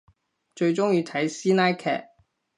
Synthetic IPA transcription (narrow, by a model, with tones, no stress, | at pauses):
t͡ʃɵ˧ɥt͡ʃʊ˥ŋjiː˧t̪ʰɐ˨˥jsiː˥naː˥jkʰɛ̰ː˨˩k̚